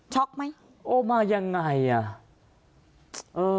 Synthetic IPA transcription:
t͡ɕʰɔ˦˥k̚ma˦˥j | ʔoː˧˩maː˧ja˧ŋːa˧˩ja˨˩ | ʔɤː˧

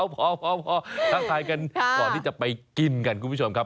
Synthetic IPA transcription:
wpʰɔː˧˥pʰɔː˧˥pʰɔː˧kaː˦˥˩k̪ʰaː˧jka˧nkɔː˨˩nʰiː˥˩t͡ɕa˨˩pa˧jki˧nka˧nkʰu˧pʰu˦˥˩o˧m˧kʰa˦˥

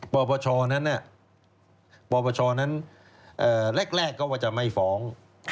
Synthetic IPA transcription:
pɔː˨˧˩bɔː˧t͡ɕʰɔː˧na˦˥nʔa˨˩ | pɔː˧bɔː˧t͡ɕʰɔː˧na˦˥n | ʔɤː˨˩le˥˩k̚ɾɛː˥˩kːɔː˥˩waː˥˩t͡ɕa˨˩ma˥˩jfɔː˦˥ŋ

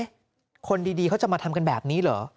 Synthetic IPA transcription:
kʰo˧ndiː˧diː˧kʰa˦˥wt͡ɕa˨˩maː˧t̪ʰa˧mka˧nbɛː˨˩p̚niː˦˥lɔ̰ː˩˦

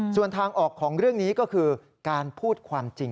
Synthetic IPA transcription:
su˨˩ənt̪ʰaː˧ŋʔɔː˨˩kʰːɔː˩˦ŋɾɯ˥˩əŋniː˦˥kɔː˥˩kʰɯː˧ | kaː˧npʰuː˥˩t̪̚kʰwaː˧mt͡ɕi˧ŋ

